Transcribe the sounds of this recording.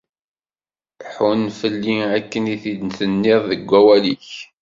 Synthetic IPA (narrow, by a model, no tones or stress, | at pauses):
ħunːfəlːiækːəniθid̪nθənːɪðˤðəɡʷːæwæliç